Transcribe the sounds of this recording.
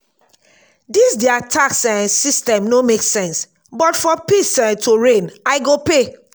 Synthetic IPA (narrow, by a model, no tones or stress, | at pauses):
disdɛatʰaksɛ̃nsistɛ̃mnomeksɛ̃ns | bɔtfɔpisɛ̃ntʰoɹẽnaɪɡope